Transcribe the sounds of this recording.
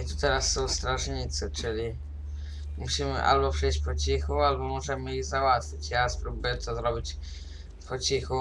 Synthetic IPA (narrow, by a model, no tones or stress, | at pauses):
it̪ut̪ɛɾasːɔ̃w̃st̪ɾaʐɲit̪sɘt͡ʂɘlʲi | muɕimɘ̰ʔa̰lbɔpʂɛjɕt͡ɕpɔt͡ɕixualbɔmɔʐɛmɘjiɣzawat̪fʲit͡ɕjaspɾubɘt̪ɔzɾɔbʲit͡ɕ | pɔt͡ɕixu